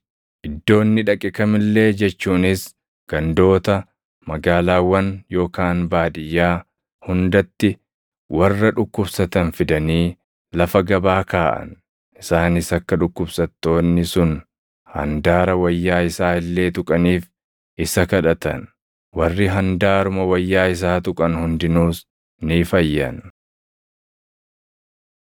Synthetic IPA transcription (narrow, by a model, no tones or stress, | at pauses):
ʔɪd̪ːo̞ːnːɪᶑɐkʼːɪkɐmɪlːe̞ːd͡ʒɛt͡ʃːuːnɪs | ɡ̥ɐnd̪o̞ːt̪ɐ | mɐɡaːlaːwːɐnjo̞ːkaːnbaːd̪ɪjːaː | hʊnd̪ɐt̪ːɪ | wɐrːɐᶑʊkːʊbsɐt̪ɐnfɪd̪ɐniː | lɐfɐɡɐbaːkaːʔɐ̰n | ʔɪsaːnɪsɐkːɐᶑʊkːʊbsɐt̪ːo̞ːnːɪsʊn | hɐ̰nd̪aːɾɐwɐjːaːɪsaːɪlːe̞ːt̪ʊkʼɐniːf | ʔɪsɐkɐᶑɐt̪ɐ̰n | wɐrːɪɦɐnd̪aːɾʊmɐwɐjːaːɪs̬aːt̪ʊkʼɐnhʊnd̪ɪnuːs | niːfɐjːɐ̰n